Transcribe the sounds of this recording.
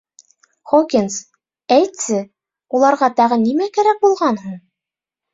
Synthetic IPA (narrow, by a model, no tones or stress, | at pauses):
χokʲins | æjt̪sɘ | ulˠɑɾʁɑt̪ɑʁɤnimækæɾæk̚bulˠʁɑnɦuɴ